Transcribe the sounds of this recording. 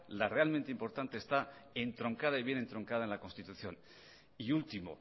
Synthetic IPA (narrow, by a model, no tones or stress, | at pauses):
lare̞alment̪eimpo̞ɾt̪ant̪e̞ːst̪ae̞nt̪ɾo̞ŋkað̞aiβjene̞nt̪ɾo̞ŋkaðaenlakonst̪it̪uθjo̞n | iult̪imo̞̰